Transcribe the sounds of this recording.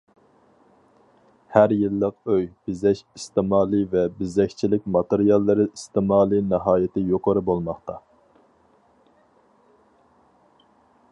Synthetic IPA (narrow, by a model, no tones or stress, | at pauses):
hæɾjilˠːəqøjb̥ɪzɛʃist̪ɪmɑːlˠɨvɛbɪzɛkʲt͡ʃʰilɪkʲmɑt̪eɾijɑlˠːɨɾɪist̪ɪmɑːlˠɨnɨɦɑːjɪt̪ʰɪjoqʰəɾɨbolˠmɑχt̪ɑ